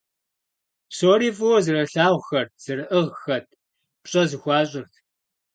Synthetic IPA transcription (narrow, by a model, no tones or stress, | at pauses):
soːɾiːfʼuwɔzɨrɐɬaːʁʷxɐrt̚ʰz̥ɨrɨʔɨʁxɐt̚ʰ | pɕʼɐzɨxʷɑːɕʼɪrtʰ